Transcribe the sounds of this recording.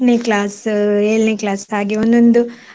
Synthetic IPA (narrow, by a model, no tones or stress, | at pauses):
neklaːseːɭneklaːsaːɡiond̪ond̪u